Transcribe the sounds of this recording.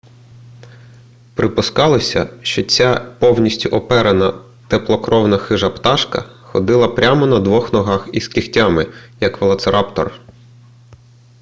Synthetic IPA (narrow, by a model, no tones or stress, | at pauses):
pɾɪpʊskɑlˠɔsʲɐ̰ʃt͡ʃɔt͡sʲapɔwnʲisʲtʲʊʔɔpɛɾenɐ | t̪eplˠɔkɾʔɔwnɐxɪʒɐpt̪ɑʃkɐ̰xɔd̪ɪlˠɐpɾʲamɔnɐd̪ʋɔxnɔɦɑxiskʲixtʲamɪjɐkʋɐlˠɐt̪seɾʔɑpt̪ɔ̰r